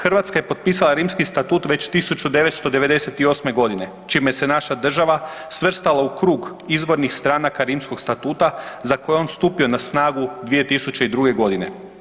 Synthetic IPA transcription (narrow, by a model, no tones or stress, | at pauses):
xr̩ʋat̪skaje̞po̞t̪̚piːsalˠaɾiːmskist̪at̪uːt̪ʋe̞t͡ɕt̪isut͡ʃud̪e̞ʋe̞t̪st̪o̞d̪e̞ʋe̞d̪e̞se̞t̪io̞ːsme̞ɡo̞d̪ine̞ | t͡ʃiːmejese̞naʃad̪r̩ʒaʋa | sʋr̩st̪alaukɾuːɡ | izʋo̞ɾnixst̪ɾaːnakaɾiːmsko̞ɡst̪at̪uːt̪azako̞jeo̞nst̪uːpio̞nasnaːɡud̪ʋije̞t̪isut͡ɕe̞id̪ɾuːɡe̞ɡo̞d̪ine̞̰